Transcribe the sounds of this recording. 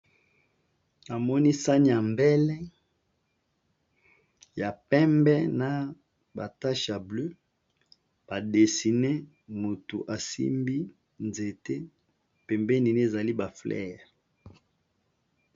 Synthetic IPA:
na˨mɔ˦ni˦sa˦ni˦a˨mbɛ˦lɛ˦ | ja˨pɛ˦mbɛ˦na˨ | ba˨ta˦ʃa˨blø˦ | b̥a˨de˨si˨ne˦ | mo˨tu˨ʔa˨sḭ˦mbi˦ | nze˨te˦ | pɛ˨mbɛ˦ni˨n˦e˦˨za˨li˦ba˨flɛ̰˦ʁ

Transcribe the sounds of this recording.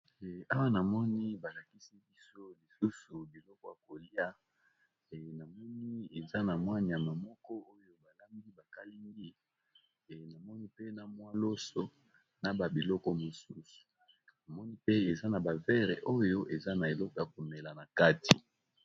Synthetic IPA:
a˦wa˦na˨mɔ˦ni˦ba˨la˨ki˦si˦bi˦so˦li˨su˦su˨bi˨lɔ˦kɔ˦˨ja˨ko˨li˦a˦˨ | na˨mɔ˦ni˦e˨za˦na˨mwa˦n˨ja˨ma˨mɔ˦kɔ˦o˦jo˦ba˨la˦mbi˦ba˨ka˦li˦ŋɡi˦˨ | na˨mɔ˦ni˦pe˦na˨mwa˦lo˦so˨ | na˨ba˨bi˨lɔ˦kɔ˦mo˨su˦su̥˨ | na˨mɔ˦ni˦pe˦e˨za˦na˨ba˨vɛ˦ʁḛ˨ʔo˦jo˦ʔe˨za˦na˨e˨lɔ˦kɔ˨ja˨ko˨mɛ˨la˨na˨ka˦ti˨

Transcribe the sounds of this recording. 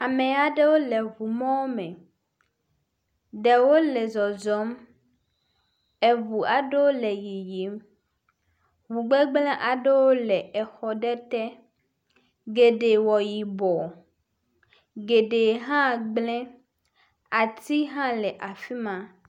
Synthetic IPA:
a˨mẽ˨a˨ɖe˦wo˦le˨vu˨mɔ̃˦wo˦mẽ˨ | ɖe˨wo˦le˨zɔ˨zɔ˦m | ɛ˨βu˨a˨ɖe˦wo˦le˨ji˨ji˨˦m | ɦu˨ɡ͡be˦ɡ͡blɛ̃˦ʔa˨ɖe˦wo˦lɛ˨ɛ˨xɔ˨ɖɛ˦t̪ɛ˦ | ɡe˨ɖe˨wɔ˨ji˨bɔ˨ | ɡe˨ɖe˨ɦã˦ɡ͡blɛ̃˦ | a˨t̪i˦ɦã˦lɛ˨ʔa˨fi˦mã˨

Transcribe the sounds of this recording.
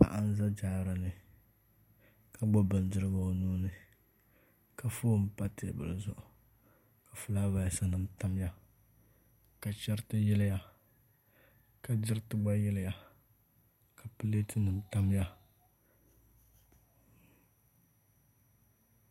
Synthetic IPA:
pa̰˨ʔa˦n˦za˦d͡ʒaː˨˦˨ɾa˨nɨ˨ | ka˨ɡ͡bɔ˦bɨ˨n˦dɨ˦ɾɨ˦ɡa˨o˨nuː˦nɨ˦ | ka˨foː˦m̩˦pa˦tɪ˨a̰˨bɨ̰˨lɨ˨zʊ̰˨ʔʊ˨ | ka˨fu˦laː˦va˨sa˨nɨ˨m˦ta˦m˦ja˦ | ka˨t͡ʃɛ˦ɾtɨ˦jɛ˦lɪ˦ja˦˨ | ka˨dɪ˦ɾɨ˦tɨ˦ɡ͡ba˦jɛ˦lɪ˦ja˨ | ka˨pɨ˦le˦tɨ˦nɨ˨m˦ta˦m˦ja˦

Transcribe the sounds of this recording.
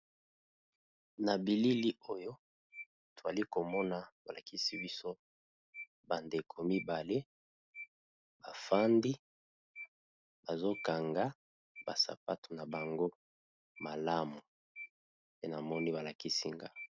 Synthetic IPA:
na˨bi˨li˦li˦o˦jo˦ | to˨za˨li˦ko˨mɔ˦na˦ba˨la˨ki˦si˦bi˦so˦ | ba˨nde˨kʰo˨mi˦ba˨le˦ | ba˨fa˦ndi˦ | ba˨zo˦ka˨ŋɡa˦ | ba˨sa̰˨pa˦tʰu̥˨na˨ba˨ŋɡo˦ | ma˨la˦mu˨ | pe˦na˨mɔ˦ni˦ba˨la˨ki˦si˦ŋɡa˦

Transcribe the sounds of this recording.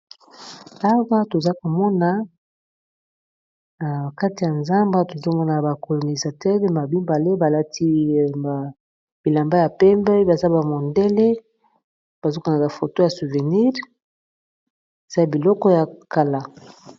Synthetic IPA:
a˦wa˦to˨za˦ko˨mɔ˦na˨ | ka˦ti˨ja˨nza˦mba˦to˨zo˦˨mɔ˦na˨ba˨ko˨lo˨ni˨za˨tɛ˦ʁe˦ma˨bi˦mba˨le˦ba˨la˦tʰi˦˨a˨ | bi˨la˨mba˦ja˨pɛ˦mbɛ˦ba˨za˦ba˨mɔ˨nde˦le˦ | b̥a˨zo˦ka˨na˨ba˨fo˨to˦ja˨su˨ve˨ni˦ʁ | e˨z̥a˦ja˨bi˨lɔ˦kɔ˦ja˨ka˨la˨

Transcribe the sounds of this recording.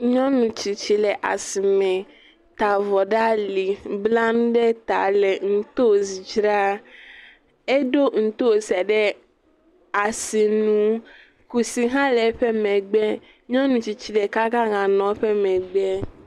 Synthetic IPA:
ɲɔ̃˦nũ˨t͡ʃi˨t͡ʃi˨lɛ˨ʔa̰˨si˨mɛ̃˨ | t̪a˨vɔ˨ɖa˦li˨bla˦ñ˦ɖɛ˦t̪a˨lɛ˨ŋ̩˦t̪o˦˨zi˨d͡ʒɾa˦ | e˦do˦ŋ̩˨t̪o˦˨sɛ˨ɖɛ˦ | a˨si˨nũ˨˦ | ku˨si˨ɦã˦lɛ˨˦ɸɛ˦mɛ̃˨ɡ͡bɛ˦ | ɲɔ̃˦nũ˨t͡ʃi˨t͡ʃi˨lɛ˨ka˦ka˦ŋã˨nɔ̃˨˦ɸɛ˦mɛ̃˨ɡ͡bɛ˦

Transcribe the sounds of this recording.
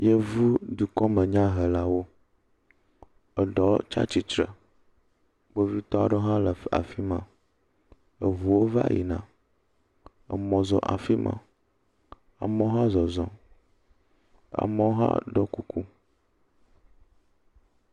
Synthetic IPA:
je˦vu˦d̪u˨kɔ˦mə̃˨ɲã˦ɦə˨la˦wo˦ | ə˨ɖɔ˨˦t͡ʃa̰˦t͡ɕi˨t͡ʃɾə̰˨ | ɡ͡bo˦vi˦t̪ɔ˦a̰˨ɖə˦ɦã˦lə˨a̰˨fi˦mã˨ | ə˨vu˨wo˦va̰˦jḭ˨nã̰˨ | ə̰˨mɔ̃˨zɔ̰˨ʔa̰˨fi˦mã̰˨ | a̰˨mɔ̃˦ɦã˦zɔ˨zɔ̃˨ | a̰˨mɔ̃˦ɦã̰˦ɖɔ˦ku˦kʰu˦

